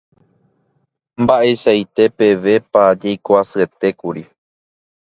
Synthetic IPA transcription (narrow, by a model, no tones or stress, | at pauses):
mbaʔe̞sajt̪e̞pe̞ʋe̞pad͡ʒejkoasɨe̞t̪e̞kuɾi